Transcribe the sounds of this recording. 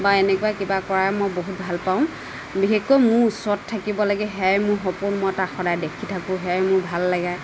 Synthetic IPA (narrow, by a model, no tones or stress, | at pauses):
baenɛkuakibakɔɹaɛmɔjboɦut̚bʱalpaʊ̃ | bixekːɔjmʊɹusɔttʰːakibɔlaɡɛɦɛjmʊɹxɔpʊnmɔjtaxɔdajdekʰitʰakʊ̃ɦɛjmʊɹbʱalːaɡaj